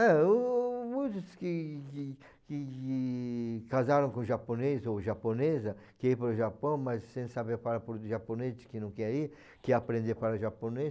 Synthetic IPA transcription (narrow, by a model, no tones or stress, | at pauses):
ɛ | mũjt̪ʊskɪ | kɪ | kazaɾɐ̃w̃kõʒaponezoʒaponezɐkɪipaɾʊʒapɐ̃w̃mɐsːẽj̃sabeɾpaɾɐpoɾʒaponezɪskɪnɐ̃w̃kɛɾiɐ | kɪapɾẽnd̪eɾpaɾɐʒapone